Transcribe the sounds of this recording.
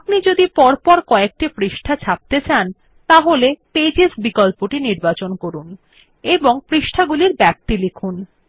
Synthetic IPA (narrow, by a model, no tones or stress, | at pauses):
knid͡ʑod̪ipɔɾpɔɾkɔek̚ʈifɾiʃʈʰat͡ɕʰap̚t̪et͡ɕan | t̪aɦoleped͡ʑesbikɔlpoʈiniɾbat͡ɕonkoɾun | eboŋfɾiʃʈʰaɡuliɾbɛp̚t̪ilekʰun